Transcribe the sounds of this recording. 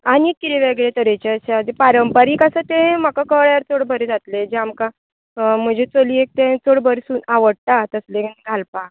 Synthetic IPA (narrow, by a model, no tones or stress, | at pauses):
aniːit̪eʋeɡɭet̪əɾet͡ɕeəɕad͡zepaɾəmpəɾiːkəsət̪ẽm̤akakəɭjaɾt͡soɽbʱəɾed͡zat̪led͡ʑeamka | m̤əd͡ʑʱet͡soliek̚t̪ẽt͡soɽbʱəɾsuːnaʋəɽʈ̪at̪əslẽɡʱalpa